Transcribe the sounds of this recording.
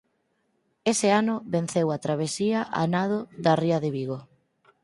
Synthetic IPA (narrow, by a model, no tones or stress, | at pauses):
esɪanʊβen̟θewat̪ɾaβ̞esiaʔa̰nað̞oðariɐðɪβiɣo